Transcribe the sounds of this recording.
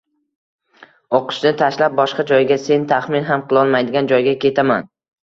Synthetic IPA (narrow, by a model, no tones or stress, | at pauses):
oqʰɨ̥ʃnɪt̪ʰaʃlap̚bɒʃqɑd͡ʒɒjɡʲase̞nt̪ʰaχmɪnɦamqʰɨlˠɒlˠmajd̪ɪɡʲand͡ʒɒjɡʲakʲʰe̞t̪ʰaman